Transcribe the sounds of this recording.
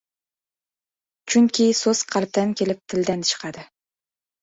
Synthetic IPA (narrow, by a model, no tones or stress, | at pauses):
t͡ʃʰʊŋkʲɪsozqʰɑlˠp̚t̪ankʲʰelɪp̚t̪ʰɪld̪ant͡ʃʰɨ̥qʰɑd̪ɪ